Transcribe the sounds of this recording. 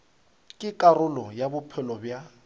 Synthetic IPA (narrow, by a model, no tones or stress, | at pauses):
kʼɪkʼarʊlɔjabʊpʰɛlɔbja